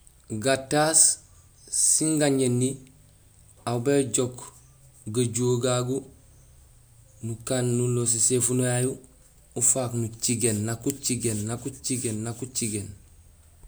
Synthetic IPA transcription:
ɡatas | siŋɡaɲenːi | aubeɟok | ɡaɟoɡaɡu | nukaːnːulos̬isefunojaju | ufaknut͡ʃiɡenːakut͡ʃiɡenːakut͡ʃiɡenːakut͡ʃiɡen

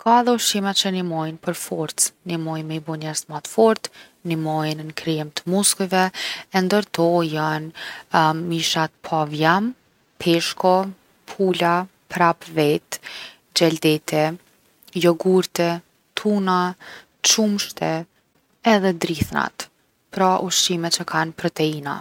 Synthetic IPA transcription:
kʰaðɔʃimɛt̪t͡ʃənimɔjnpəɾfɔɾt̪t͡snimɔjmɛbɔɲɛɾsmat̪fɔɾt̪ | nimɔjnnkɾɛmt̪əmuskuvɛɛnd̪əɾt̪ɔjan | miʃat̪̚pʰavjam | pʰɛʃkɔ | pʰula | pɾapvɛt̪ | d͡ʑɛld̪ɛt̪ʰɛ | jɔɡuɾt̪ɛ | t̪ʰuna | t͡ʃumʃt̪ʰɛ | ɛðɛd̪ɾiθna̰t̪ | pɾaʔuʃimɛt̪t͡ʃəkʰanpɾɔt̪ɛina̰

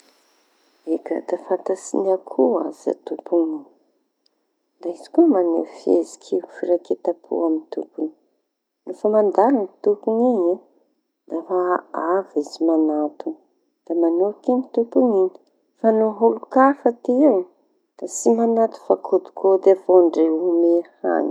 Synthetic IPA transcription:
eka̰d̪afant̪asḭnakʰua̰za̰t̪upuŋini̥ | d̪aizi̥kumanḛfiḛzi̥kʰiwfiɾaket̪apʰṵamint̪ṵpuni̥ | nufamand̪alant̪upuŋiɲi | d̪̥afaavizimanat̪u | d̪̥amanukinit̪upuŋiɲi | fanuɦulukafat̪iiw | d̪̥asimanat̪u̥fakʰod̪u̥kʰod̪eavoɳɖ͡ʐeumeha̰ɲi

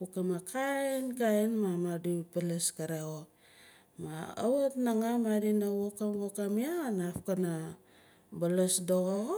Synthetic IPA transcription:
pukamakʰaenkaenmamadupeleskaɾeo | maa̰wotnaŋamaɾinawokamwokamianafkana | balesdoɣo

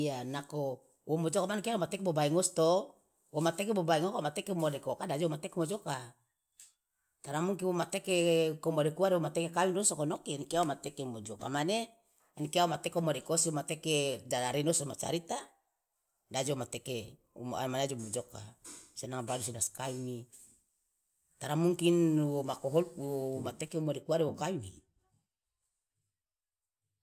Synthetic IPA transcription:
anako | womod͡ʒokamanekeaomat̪ɛkbobaiŋost̪o | womat̪ekebobaiŋokamat̪ɛkemodekokadad͡ʒoomat̪ekemod͡ʒoka | t̪aɾamuŋkiwomat̪ekekomodekuaɾewomat̪ekekawidosokonokinikeawomat̪ekemod͡ʒoka̰mane | nikeaomat̪ekomodekosiwomat̪eked͡ʒadaɾinosomat͡ʃa̰ɾit̪a | dad͡ʒomat̪eke | ummanad͡ʒomod͡ʒokasenaŋbadusinaskaini | t̪aɾamuŋkinwomakoɦolwomat̪ekeumodekuaɾewokawinḭ

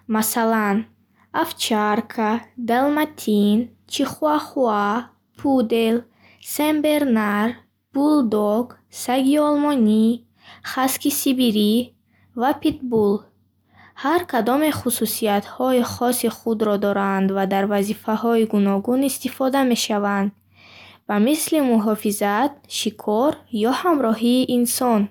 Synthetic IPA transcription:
masalan | aft͡ʃʰaɾkʰad̪almat̪ʰin | t͡ʃʰiχuaχua | pʰud̪e̞l | sembe̞ɾnaɾ | b̥uld̪ɔɡ | saɡiɔlmɔni | χaskisibiɾi | vapʰit̪bul | haɾkʰad̪ɔmeχususiat̪hɔiχɔsiχud̪ɾɔd̪ɔɾand̪vad̪aɾvazifahɔiɡunɔɡunist̪ifɔd̪ame̞ʃavand̪ | vamislimuɦɔfizat̪̚ʃikʰɔɾjɔhamɾɔɦiːʔinsɔn

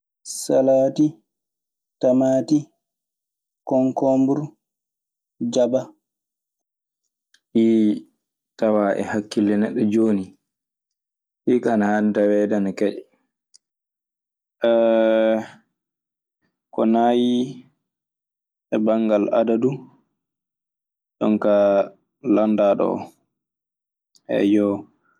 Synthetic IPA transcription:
salaːti | tamati | kɔŋkɔmbuɾ | d͡ʒaba | ʔi | tawaʔɛ̰hakːilːɛnɛɗːɔd͡ʒoːni | ʔikanahantawɛdankɛɗɛ | ʔɛ | kɔnaji | ɛbaŋɡala̰dadu | ɗɔ̰nka | landaɗɔ̰ | ʔɛ̰jɔ

